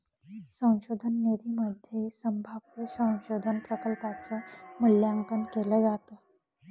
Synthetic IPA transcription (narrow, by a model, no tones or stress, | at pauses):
sə̃w̃ɕod̪ʱənːed̪ʱiməd̪ʱjesəmbʱabʋəsə̃w̃ɕod̪ʱənpɾəkəlpat͡səmuljaŋkənkeləd͡zat̪ə